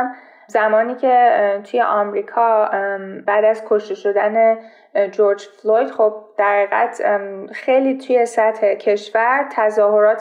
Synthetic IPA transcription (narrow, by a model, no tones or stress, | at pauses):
zæmɒːniːcʰe̞t̪ʰujeʔɒmɾiːkʰɒː | bæːd̪æzkʰoʃt̪e̞ʃo̞d̪æne | d͡ʒoɾd͡ʒflojd̪̥χob̚d̪̥æɾæiːɣæ̰t̪ʰxejliːt̪ʰuje̞sæt̪he̞cʰe̞ʃvæɾt̪ʰæzɒːɦo̞ɾɒːt̪